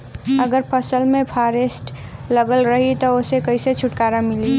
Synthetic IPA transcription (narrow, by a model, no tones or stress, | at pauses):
əɡəɾpʰəsəlmẽpʰaːɾesʈləɡəlɾəɦit̪ɔosekəiset͡ʃʰʊʈkaːɾamɪli